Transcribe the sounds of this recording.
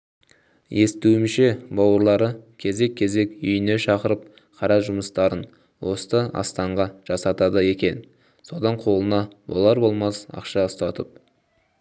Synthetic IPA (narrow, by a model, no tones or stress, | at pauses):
je̞st̪uɪmʃe̞bɑwəɾlˠɑɾəkʲʰe̞ze̞kʲʰːe̞ze̞kʏjɪne̞ʃɑqəɾəp̚ | qʰɑɾɑʒʊməst̪ɑɾən | wo̞st̪əɑ̰st̪ɑɴʁɑʒ̥ɑsɑt̪ɑd̪əje̞kʲe̞n | so̞d̪ɑɴqʰo̞lˠənɑwo̞̰lˠɑɾbo̞lˠmɑsɑ̰qʃɑəst̪ɑt̪əp̚